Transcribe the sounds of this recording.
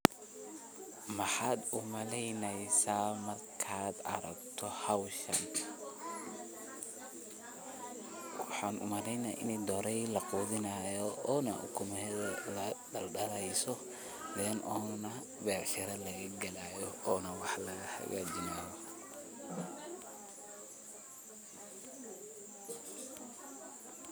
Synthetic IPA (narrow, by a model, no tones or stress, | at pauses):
mɑħaːd̪ʊmɐlɛjnɛjsaːmɐrkʰaːd̪ɐ̰ɾɐ̰ɡt̪ʰɔhɐwʃɐ̰ŋkʰɐ̥ | wɑħɑːnʔʊ̰mɐlɛjnaːʔɪ̰nd̪ɔɾɛjlɐquːðɪnaːjɔɔːnɐ̰ʔʊ̰kʰʊmɛɛðɐlɐdɐlɖɐlɛjsɔ | bɛːnʔɔːnɐ | bɛːʕʃɪɾɐlɐɣɐɡɐlaːjɔɔːnɐwɑħlɐhɐ̰ɣa̰ːd͡ʒɪnaːðɔ